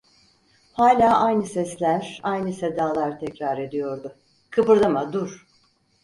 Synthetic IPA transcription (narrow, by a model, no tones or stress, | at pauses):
haːlʲaːʔajnɯsɛslʲæɾ̥ajnɯsed̪aːlˠaɾt̪ʰɛcɾaɾe̞d̪ijo̞ɾd̪ʊ | kʰɯbɯɾd̪amad̪uɾ̥